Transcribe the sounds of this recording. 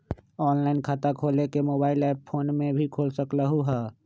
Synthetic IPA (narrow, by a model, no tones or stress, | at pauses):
ɔːnlaːɪnkʰaːt̪akʰoːlekemoːbaːɪlɛːppʰoːnmẽbʱikʰoːlsəkləɦuɦɛː